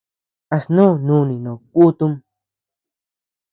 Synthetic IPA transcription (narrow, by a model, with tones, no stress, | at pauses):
a˧snũ˦˨nũ˧˨˧nĩ˨nõ˨ku˦t̪u˦m